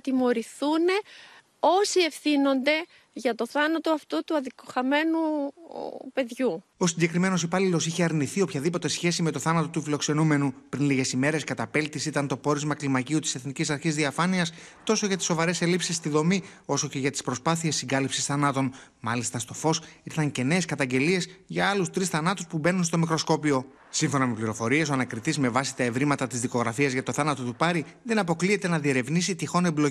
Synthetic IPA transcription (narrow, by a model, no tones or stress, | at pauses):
t̪imo̞ɾiθune̞ | o̞sie̞fθino̞nd̪e̞ | ʝɐt̪o̞θɐnɐt̪o̞ɐft̪ut̪uɐðikoxɐme̞nu | pe̞ðʝuo̞siɲɟe̞kɾime̞no̞sipɐlilo̞siçeɐɾniθio̞pçɐðipo̞t̪e̞sçe̞sime̞t̪o̞θɐnɐt̪o̞t̪ufilo̞kse̞nume̞nupɾinliʝe̞sime̞ɾe̞skɐt̪ɐpelt̪isit̪ɐnt̪o̞po̞ɾizmɐklimɐciut̪ise̞θnicisɐɾçizðiɐfɐniɐst̪o̞so̞ʝɐt̪iso̞vɐɾe̞se̞lipsist̪iðo̞mio̞so̞ce̞ʝɐt̪i̥spɾo̞spɐθie̞sːiŋɡɐlipsisθɐnɐt̪o̞n | mɐlist̪ɐst̪o̞fo̞siθɐŋce̞ne̞ːskɐt̪ɐɲɟe̞lie̞sʝɐɐlust̪ɾisθɐnɐt̪uspube̞nunst̪o̞mikɾo̞sko̞pio̞ | siɱfo̞nɐmepliɾo̞fo̞ɾie̞s̬o̞ɐnɐkɾit̪izme̞vɐsi̥t̪ɐe̞vɾimɐt̪ɐt̪izðiko̞ɣɾɐfiɐzʝɐt̪o̞θɐnɐt̪o̞t̪upɐɾiðe̞nɐpo̞klie̞t̪e̞nɐðie̞ɾe̞vnis̬it̪ixo̞neblo